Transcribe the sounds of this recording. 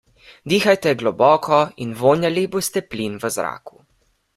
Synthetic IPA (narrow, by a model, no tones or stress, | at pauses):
d̪iːxajt̪ɛɡlɔbɔːkʰɔinʋoːnjalibost̪ɛplinʋəzɾa̰ːku